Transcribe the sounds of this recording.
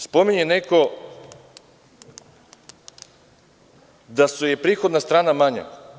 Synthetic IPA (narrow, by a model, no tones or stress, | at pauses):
spo̞miɲeneko̞ | d̪asujepɾiːxod̪nast̪ɾaːnamaɲa̰